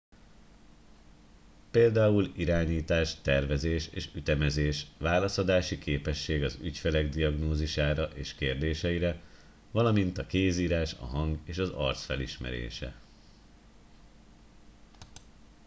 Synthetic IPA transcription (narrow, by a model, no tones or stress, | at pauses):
peːld̪aːuliɾaːɲiːt̪aːʃt̪ɛrvɛzeːʃeːʃyt̪ɛmɛzeːʃʋaːlɒsod̪aːʃikʰeːpɛʃːeːɡɒzycfɛlɛɡd̪iɒɡnoːziʃaːɾɒʔeːʃkeːrd̪eːʃɛiɾɛ | vɒlɒmint̪ɒkeːziːɾaːʃɒ̰ɦɒŋɡeːʃɒzɒ̰rt̪sfɛliʃmɛ̰ɾḛːʃɛ̰